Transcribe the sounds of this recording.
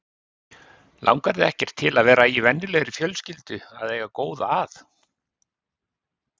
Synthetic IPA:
lʔa̰wŋkaɾðɪɛhcɛɾ̥t̪ʰɪlaðvɛːɾaivɛnːɪlɛɣɾɪfjœlscɪlt̪ʏa̰ðeːjɣakoːwðaθ

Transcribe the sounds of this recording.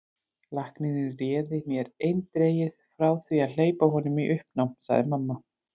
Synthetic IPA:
lahkninɪrɛːðɪmjɛɾejnt̪ɾeːjɪðfɾaːwθviaðl̥eːjpahɦɔnʏmiʔʏhp̚nawmsa̰ɣðɪ̰mamːa

